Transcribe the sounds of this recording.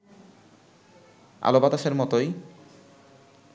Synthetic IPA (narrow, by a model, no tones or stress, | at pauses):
a̰lobat̪aʃeɾmɔt̪oj